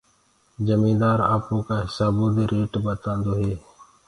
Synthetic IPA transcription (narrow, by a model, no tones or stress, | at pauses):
d͡ʒəmĩːnd̪aːɾa̰ːpõːkaːɦɪsaːboːd̪eɾeːʈbət̪ãːnd̪oːɦeː